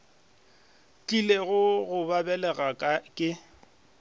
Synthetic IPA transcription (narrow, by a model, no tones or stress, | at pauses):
t͡ɬʼileɣʊɣʊbabɛlɛɣakʼakʼɪ